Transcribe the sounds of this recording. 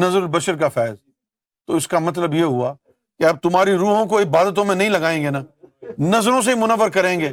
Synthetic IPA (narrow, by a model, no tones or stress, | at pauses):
nɐzəɾlbɐʃəɾkafɛːz | t̪oːɪskamɐt̪̬ləbjeːɦʊaː | keɐb̚t̪ʊmaːɾiɾuːɦõk̬oɪbaːd̪ət̪õmẽnɐ̃ɦĩlɐɡaːẽːŋɡeːnaːnɐzɾõs̬eimʊnəʋəɾkɐɾẽːŋɡeː